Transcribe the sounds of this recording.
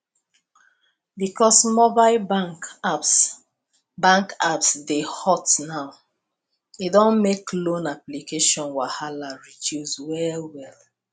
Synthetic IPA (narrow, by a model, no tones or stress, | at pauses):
bikɔsmobaɪlbap | bãŋkapsdehɔtnaʊ | idɔ̃nmeklõnaplikeʃɔ̃nwahalaɹit͡ʃuzwɛlwɛl